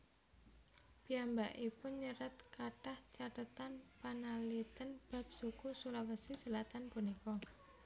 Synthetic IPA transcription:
piambaʔipʊnɲəɾat̪kaʈaht͡ʃat̪ət̪anpanalit̪ənb̥a̤p̚sukusulawəsisəlat̪anpunikɔ

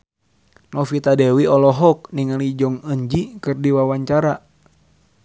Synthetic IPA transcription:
nɔfit̪adɛwiɔlɔɦɔk̚niŋalid͡ʒɔŋəɲd͡ʒikɨrdiwawaɲt͡ʃaɾa

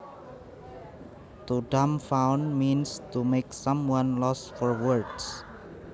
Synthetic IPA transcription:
t̪uɖamfãwnmĩnst̪umeksãmwãnlɔsfɔɹwəɹds

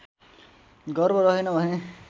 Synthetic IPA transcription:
ɡʌrbʌɾʌɦinʌbʱʌne

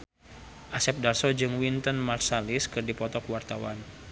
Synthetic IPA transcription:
ʔasɛp̚darsɔd͡ʒɨŋwint̪ənmarsalɪskɨrdipɔt̪ɔkwart̪awa̰n

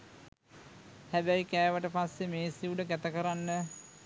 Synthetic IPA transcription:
hæbæjkæːʋəʈəpasːemeːsiuɖəkæt̪əkəɾanːə

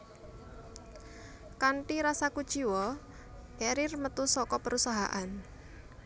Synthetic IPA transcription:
kaɳʈiɾasakud̥ʒ̥iwɔ | ɛɾɪrmət̪usɔkɔpəɾusaɦa̰ʔan

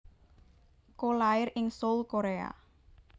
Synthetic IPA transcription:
kolaɪrɪŋsolkoɾea̰

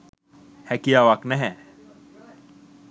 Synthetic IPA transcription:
hɛkijawaknɛɦɛ

